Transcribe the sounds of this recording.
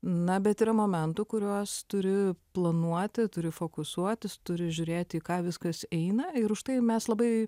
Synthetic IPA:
nɐbʲɛt̪iːɾɐmoːmʲɛnt̪ʊkʊɾʲuɔst̪ʊɾʲɪplˠɐnuɔt̪ʲɪt̪ʊɾʲɪfoːkʊsuɔt̪ʲɪst̪ʊɾʲɪʒʲʊːɾʲeːt̪ʲikɑːʋʲɪskɐsɛɪnɐɪɾʊʃt̪ɐɪmʲɛslˠɐbɐɪ

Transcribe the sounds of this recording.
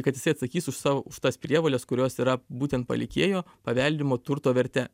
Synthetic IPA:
kɐt̪jɪsɐɪt̪sɐkʲiːsʊʃsɑːʋʊʃt̪ɐːspʲɾʲiɛʋoːlʲɛskʊɾʲoːsiːɾɐbuːt̪ʲɛnt̪̚pɐ̰lʲɪkʲeːjoː | pɐʋʲɛlʲd̪ʲɪmoːt̪ʊɾt̪oːʋʲɛɾʲt̪ʲɛ

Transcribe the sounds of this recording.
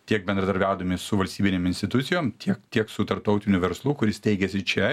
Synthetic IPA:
t̪ʲiɛk̚bʲɛnd̪ɾɐd̪ɐɾʲbʲæːd̪ɐmʲɪsʊʋɐlʲsʲt̪ʲiːbʲɪnʲemɪnʲst̪ʲɪt̪ʊt̪sʲɪjoːmt̪ʲʰiɛkt̪ʲiɛksʊt̪ɐɾp̚t̪ɒʊt̪ʲɪnʲʊʋʲɛɾslˠuːkʊɾʲɪst̪ʲɛɪɡʲɛsʲɪt͡ʃʲɛ

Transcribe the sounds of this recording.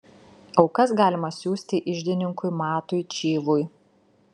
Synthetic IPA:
ɒʊkɐsɡɑːlʲɪmɐsʲuːsʲt̪ʲɪʔɪʒʲd̪ʲɪnʲɪŋkʊɪmɑːt̪ʊɪt͡ʃʲeːʋʊj

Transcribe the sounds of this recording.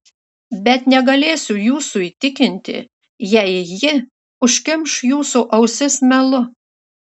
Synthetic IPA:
bʲɛt̪nʲɛɡɐlʲeːsʲʊjuːsuiːt̪ʲɪkʲɪnʲt̪ʲɪ̰ | jɛɪjɪ | ʊʃʲkʲɪmʃjuːsuʔɐʊsʲɪsmʲɛlˠʊ

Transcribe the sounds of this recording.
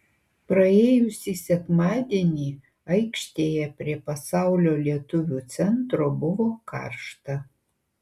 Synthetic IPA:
pɾɐeːjʊsʲisʲɛkmɑːd̪ʲiɛnʲiː | ɐɪkʃʲt̪ʲeːjɛpʲɾʲiɛpɐsɑʊlʲoːlʲiɛt̪ʊʋʲuːt̪sʲɛnt̪ɾobʊʋoːkɑ̰ːɾʃt̪ɐ

